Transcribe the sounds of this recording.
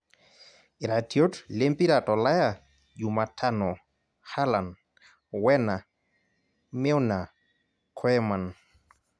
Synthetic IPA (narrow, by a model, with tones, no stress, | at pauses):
i˨ɾa˨tjo˦tle˦mpi˦ɾa˨tɔ˨la˦ja˨ | ju˨ma˨tʰa˦nɔ˨ | ha˦la˨n | wɛ˦na˨ | me˦wna˨ | kʰwɛ˦ma˨n